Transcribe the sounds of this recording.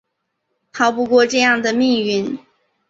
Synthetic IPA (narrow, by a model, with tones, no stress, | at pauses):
t̪ʰɑ˧˥ʊpu˧kwɔ˥˧ʈ͡ʂɤ˥˧jɑ˥˩ŋd̪ə˩mi˥˧ŋy˥˩n